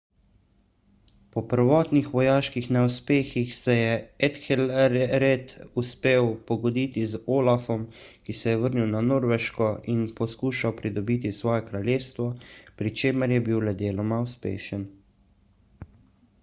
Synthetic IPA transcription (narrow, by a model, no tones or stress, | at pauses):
pɔpəɾʋɔːt̪nixʋɔjaːʃkixnɛuspeːxixsɛjɛɛt̪xɛlɾɛt̪uspeːwpɔɡɔd̪iːt̪izoːlafɔmkisɛjɛʋəɾniwnanoːɾʋɛʃkɔʔinpɔskuːʃawpɾid̪ɔbit̪isʋɔːjɛkɾaljeːst̪ʋɔpɾit͡ʃeːməɾjɛbiwlɛd̪eːlɔmauspḛːʃən